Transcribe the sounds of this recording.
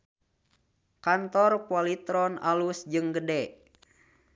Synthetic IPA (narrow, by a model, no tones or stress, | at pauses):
kant̪ɔrkualit̪ɾɔnalusd͡ʒɨŋɡədɛ